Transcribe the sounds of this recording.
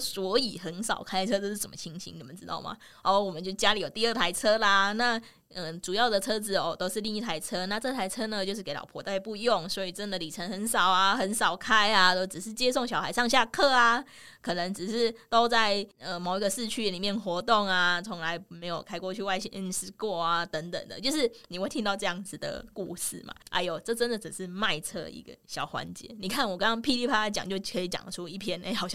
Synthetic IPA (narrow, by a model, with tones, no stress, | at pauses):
swɔ˧˥i˨˩xə˧˦˥nsɑ˨˩ʊkʰa˥ɪt͡sʰɤ˥t͡sə˥˧ʂɻ̩˥˩sə˨˩mə˦t͡ɕʰi˥ŋɕʰḭ˧˥ŋni˨˩mə˦nʈ͡ʂɻ̩˥t̪ɑ̰˥˩ʊma̰˨˩ | ɔ˥˩wɔ˨˩mə˨˦t͡ɕjo˥˧ʊ˩t͡ɕja˦˥li˨˥jo˨˩t̪i˧ə˥˩t̪ʰa˧˥ɪt͡sʰɤ˥la˨na˥˩ | ə˧˩ʈ͡ʂu˨˩jɑ˥˩ʊd̪ə˩t͡sʰɤ˥t͡sɹ̩˩ɔ˧˩t̪o˥ʊʂɻ̩˥˧li˥˧ŋi˥˩t̪ʰa˧˥ɪt͡sʰɤ˥na˥˧ʈ͡ʂɤ˥˩t̪ʰa˧˥ɪt͡sʰɤ˥nə˨t͡ɕjo˥˧ʊʂɻ̩˥˩ke˧˥ɪɑ̰˨˩pʰwɔ̰˧˦˥t̪a˥˧ɪpu˥˧jo˥˩ŋswɔ˧˥i˨˩t͡sə˦˥nd̪ə˨li˨˩t͡sʰə˧˥nxə˧˦nsɑ˨˩ʊa˨xə˧˥nsɑ˨˩ʊkʰa˥ɪa˨t̪o˥ʊʈ͡ʂɻ̩˨˩ʂɻ̩˥˩t͡ɕjɛ˥so˥˩ŋɕjɑ˨˩ʊha˧˥ɪʂɑ˥˧ŋɕja˥˧kʰɤ˥˩a˩ | kʰɤ˨˩nə˧˦ŋʈ͡ʂɻ̩˨˩ʂɻ̩˥˩t̪o˥ʊt͡sa˥˩ɪə˧˩mo˨˩ʊi˥ɡə˧ʂɻ̩˥˧t͡ɕʰy˥˩li˨˩mjɛ˥˩nxwɔ˧˥t̪o˥˩ŋa˨t͡sʰo˧˥ŋla˧˥ɪme˧˥ɪjo˨˩ʊkʰa˥ɪkwɔ˥˧t͡ɕʰy˥˧wa˥˧ɪɕi˥ŋʔnʂɻ̩˥kwɔ˥˩a˨˩t̪ə˧˦˥ŋt̪ə̰˨˩ŋd̪ə̰˦t͡ɕjo˥˧ʊʂɻ̩˥˩ni˨xwe˥˩ɪt̪ʰi˥ŋt̪ɑ˥˧ʊʈ͡ʂɤ˥˧jɑ˥˩ŋd͡zɹ̩˨˩d̪ə̰˩ku˥˧ʂɻ̩˥˩ma̰˨˩ʔa̰˧˥ɪjo˨˩ʈ͡ʂɤ˥˩ʈ͡ʂə˦˥nd̪ə˨t͡s̩˨˩ʂɻ̩˥˧ma˥˧ɪt͡sʰɤ̰˥˧ḭ˧˥ɡə̰˨ɕjɑ˨˩ʊxwa̰˧˦nt͡ɕjɛ̰˧˥˦ni˨˩kʰa˥˩nwɔ˨˩kɑ˥ŋkɑ˥ŋpʰi˥˧li˥˩pʰa˥a˧˩t͡ɕɑ̰˨˩ŋt͡ɕjo˥˩ʊkʰɤ˧˥i˧˩t͡ɕjɑ̰˨˩ŋʈ͡ʂʰu˥i˥˩pʰjɛ˥ne˥ɑ˨˩ʊɕ